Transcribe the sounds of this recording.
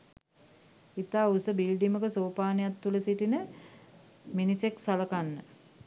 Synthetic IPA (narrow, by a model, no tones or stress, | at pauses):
it̪aːusəbilɖiməkəsoːpaːnejat̪ːuləsit̪inə | miniseksaləkanːə